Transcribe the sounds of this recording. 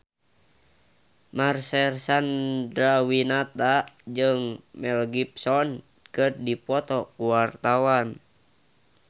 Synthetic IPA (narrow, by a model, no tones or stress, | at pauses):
marsɛrsandɾawinat̪ad͡ʒɨŋmɛlɡip̚sɔn | kɨrdipɔt̪ɔkuwart̪awan